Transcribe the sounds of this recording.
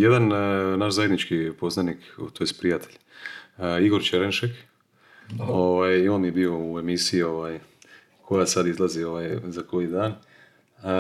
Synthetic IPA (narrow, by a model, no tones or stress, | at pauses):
jed̪annaʃzajed̪nit͡ʃkipo̞znanikt̪ojest̪pɾijat̪ʰeʎ | iɡo̞ɾt͡ʃeɾenʃek | oʋaːjio̞ːnjebiːo̞ue̞misijio̞ʋaːj | kʰo̞jasad̪izlˠazio̞ʋaːjzako̞jid̪aːn